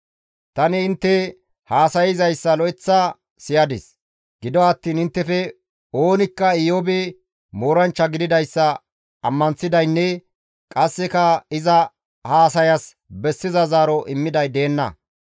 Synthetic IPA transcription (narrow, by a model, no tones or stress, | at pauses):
t̪ɐnɪːnt̪ːɛ | haːsɐjɪzɐjsːɐlɔɛt͡sːa | sɪjɐd̪ɪs | ɡ̥ɪd̪ɔɐt̪ːiːnɪnt̪ːɛfɛ | o̞ːnɪkːɐɪjobɛ | moːɾɐnt͡ʃːɐɡɪd̪ɪd̪ɐjsːɐ | ɐ̰mːɐnsɪd̪ɐjnːɛ | kʼɐsːɛkɐɪzɐ | haːsɐjɐs | bɛsːɪzɐzaːɾɔʔɪmːɪd̪ɐjd̪e̞ːnːɐ̰